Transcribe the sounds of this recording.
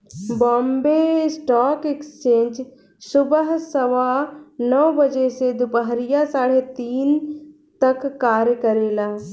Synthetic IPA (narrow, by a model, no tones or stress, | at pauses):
bɔ̃ːmbeɪsʈaːkekst͡ʃẽːɲd͡ʒ | sʊbəɦsəʋanɔːbəd͡ʒesed̪ʊpəɦɾijasaːɽet̪iːn | t̪ɐkːaːɾjəkəɾeːlaː